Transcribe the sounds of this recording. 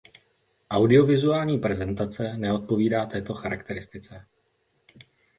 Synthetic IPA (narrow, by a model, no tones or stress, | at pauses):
ʔawdɪo̞vɪzuaːlɲiːpɾɛzɛnt̪at͡sɛnɛo̞t̪̚po̞viːdaːt̪ɛːt̪o̞xaɾakt̪ɛɾɪst̪ɪt͡sɛ